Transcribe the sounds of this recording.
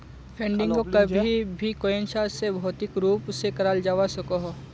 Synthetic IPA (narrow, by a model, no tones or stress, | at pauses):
pʰẽɳɖɪ̃ŋkokɐbʱibʱikoenʃasebʱɔːt̪ɪkɾuːpsekɐɾaːld͡ʒaːʋasɐkoɦ